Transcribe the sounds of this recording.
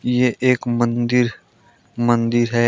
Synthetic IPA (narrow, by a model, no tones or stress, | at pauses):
jeʔeːkmə̃nd̪ɪɾ | mə̃nd̪ɪɾɦɛː